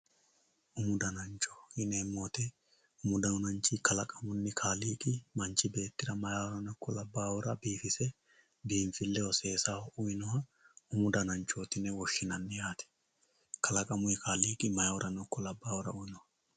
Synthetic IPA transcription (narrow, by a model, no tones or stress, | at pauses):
ʔʊmʊd̪ɐnɐnt͡ʃɔ̥ɪneːmːoːt̪ɛ | ʊmʊd̪ɐwʊnɐnt͡ʃːikɐlɐkʼɐmʊnːɪkʰaːliːkʼɪmɐnt͡ʃːɪbe̞ːt̪ːɪɾɐmɐjaːwɔɾɐnɔkʰːɔlɐbːaːwɔɾɐbiːfɪsɛ | biːɱfɪlːɛwɔse̞ːsaːʊɪnɔhɐʊmʊd̪ɐnɐnt͡ʃːoːt̪ɪnɛwɔʃːɪnɐnːɪjaːt̪ɛ̥ | kɐlɐkʼɐmʊɪkʰaːliːkʼɪmɐjawɔɾʔɐnɔkːɔlɐbːaːwɔɾɐ̰ʊɪnɔhɐ